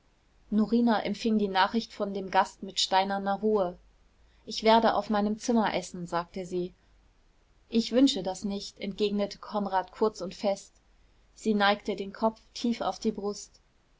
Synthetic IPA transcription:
nɔʁiːnaʔɛmtfɪŋdiːnaːχɪçtfɔndeːmɡastmɪtʃtaɪnɐnɐʁuːə | ʔɪçv̥eːɐdəʔa̰ʊfmaɪnəmt͡sɪmɐʔɛsn̩zaːk̚təziː | ʔɪçv̥ʏnʃədasnɪçtɛnt̚ɡ̥eːɡnətʰə̥kʰɔnʁaːtkʰʊɐt͡sʊntfɛst | z̥iːnaɪktədeːnkʰɔp͡ftʰiːfa̰ʊfd̥iːbʁʊst

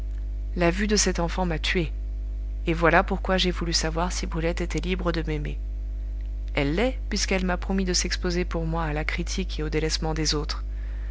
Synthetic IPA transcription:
lavyd̪əsɛt̪ɑ̃fɑ̃mat̪ʰɥe | evwalapuʁkwaʒevulysavwaʁsibʁylɛt̪et̪ɛlibʁəd̪əmemḛ | ɛlːɛpɥiskɛlmapχɔmid̪əsɛkspozepuʁmwaːlakχit̪ʰikeod̪elɛsmɑ̃d̪ezot̪χ

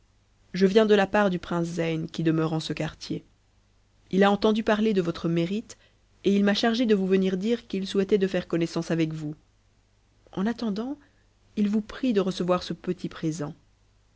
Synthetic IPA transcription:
ʒəvjɛ̃d̪əlapaʁd̪ypχɛ̃szɛjnkʲid̪əmœʁɑ̃səkaʁt̪je | ilaɑ̃t̪ɑ̃d̪ypaʁled̪əvɔt̪χəmeʁit̪ | eilmaʃaʁʒed̪əvuvəniʁd̪iʁkilsuwɛt̪ɛd̪əfɛʁkɔnɛsɑ̃savɛkvu | ɑ̃nat̪ɑ̃d̪ɑ̃ | ilvupχid̪əʁəsəvwaʁsəpət̪ʰipχezɑ̃

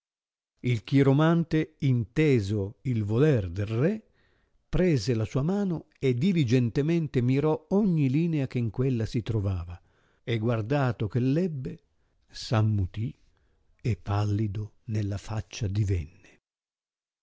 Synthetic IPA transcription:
ilkiɾomant̪eint̪ɛːzoilvolɛrd̪elrɛ | pɾɛːzelasuːamaːno | ed̪ilid͡ʒɛnt̪emɛnt̪emiɾɔɔɲːiliːneakeŋkwelːasit̪ɾovaːva | eɡward̪aːt̪ok̟elːɛbːe | samːut̪i | ɛpːalːid̪o | nelːafat͡ʃːad̪ivɛnːe

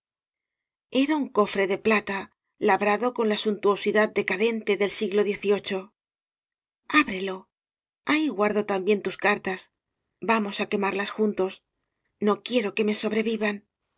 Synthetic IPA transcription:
e̞ɾauŋko̞fɾe̞ðe̞plat̪a | laβɾaðo̞ko̞nlasunt̪uo̞siðað̚d̪e̞kaðe̞nt̪e̞ðe̞lsiɣlo̞ðje̞θio̞t͡ʃo̞ | aβɾe̞lo̞ | aiɣwaɾðo̞t̪ambje̞nt̪uskaɾt̪as | bamo̞sake̞maɾlasxunt̪o̞s | no̞kje̞ɾo̞ke̞me̞so̞βɾe̞βiβan

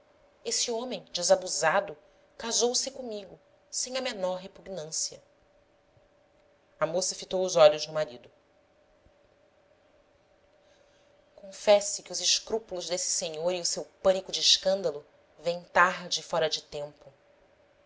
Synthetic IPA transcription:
esɪõmẽj̃d͡ʒɪzabuzad̪ʊ | kazowsɪkõmiɡʊ | sẽj̃ɐmenɔɾɦepuɡnɐ̃siɐ | ɐmosɐfit̪owʊzɔʎʊzd͡ʒʊ̃maɾid̪ʊ | kõfɛsɪkɪʊzɪʃkɾupulʊzd̪esɪ̥seɲoɾiʊsewpɐ̃nikʊd͡ʒɪːʃkɐ̃nd̪ɐlˠʊ | vẽj̃t̪aɾd͡ʒɪfɔɾɐd͡ʒɪt̪ẽmpʊ

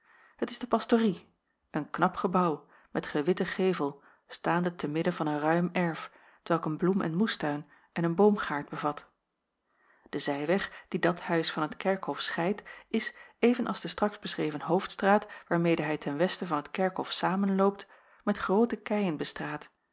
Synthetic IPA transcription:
hətɪzdəpɑstori | ʔənknɑpχəbɑw | mɛtχəʋɪtəχejvəlˠ | staːndətɛnmɪdəvɑnənrœɥmɛɹf | tʋɛlˠkənblumʔɛ̰nmustœɥn | ʔɛnənbowmχaːɹtd̚bəvɑt | d̥əzɛjʋɛχd̥idɑthœɥsfɑnɦətkɛɹkhɔfsχɛjtɪsejvənʔɑ̰lˠzdəstrɑkzbəsrejvənɦowftstraːtʋaːɹmejdəɦɛjtʰɛnʋɛstəvɑnɦətkɛɹkɦɔfsaːmənlowp̚t | mɛtχrowtəkɛjənbəstraːt

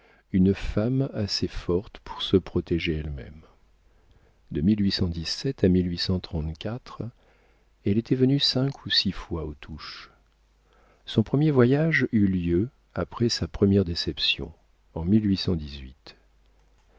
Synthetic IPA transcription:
ynfamasefɔʁt̪pʰu̥ʁsəpχɔt̪ɛʒeɛlmɛ̰m | d̪əmilɥisɑ̃d̪isɛt̪amilɥisɑ̃t̪χɑ̃t̪kʲat̪χ | ɛlet̪ʰɛvənysɛ̃kʰusifwaot̪ʰuʃ | sɔ̃pχəmjevwajaʒyljø | apχɛsapχəmjɛʁd̪esɛpsjɔ̰̃ | ɑ̃milɥisɑ̃d̪izɥit̪

